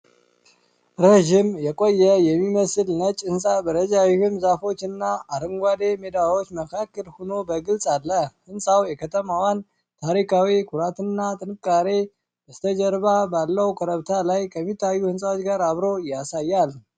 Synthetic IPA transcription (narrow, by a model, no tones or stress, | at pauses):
ɾeʒimjɛkʼo̞jːɛjɛmːiməsɨlnət͡ʃʼɨnsʼabəɾəd͡ʒawihumzafo̞t͡ʃːɨnːaaɾɨŋɡʷad̪e̞med̪awot͡ʃːməkʰakːəlhuno̞bəɡɨlsʼalːəhɨnsʼawjɛkʰət̪ʰəmawan | t̪ʰaɾikʰawikʰuɾat̪ɨnːat̪ʼɨnɨkʼːaɾe | bəst̪ʰəd͡ʒəɾbabalːəwkʰəɾəβt̪ʰalajkʰəmːit̪ʰːajːuhɨnsʼawot͡ʃɡaɾaβɾo̞jasajːal